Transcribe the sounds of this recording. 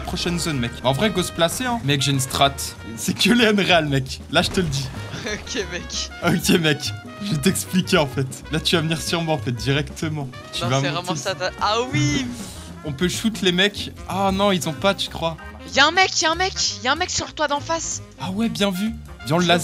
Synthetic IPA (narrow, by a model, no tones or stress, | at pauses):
apχɔʃɛnzonmɛkɑ̃vʁɛɡosplaseɛ̃mɛkʒeyns̬t̪χat̪ | sɛkøleanʁealmɛklaʒət̪ələd̪iokʲemɛkokʲemɛk | ʒvet̪̬ɛksplikʲeɑ̃fɛt̪lat̪yvavəniʁsyʁmwaɑ̃fɛt̪̚d̪iʁɛkt̪ʰəmɑ̃ | t̪yvaʁɛm̃saawi | ɔ̃pøʃut̪lemɛk | anɔ̃ilzɔ̃pat̪y̥kχwa | jaɛ̃mɛkjaɛ̃mɛkjaɛ̃mɛksyʁt̪wad̪ɑ̃fas | awɛbjɛ̃vy | d̪̃laz